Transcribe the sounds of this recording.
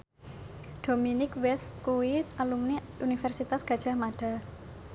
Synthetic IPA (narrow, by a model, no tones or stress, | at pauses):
d̥ominɪkwɛst̪̚kuwialumniʔunifɛrsit̪asɡ̥ä̤d̥ʒ̥a̤maɖ̥a̤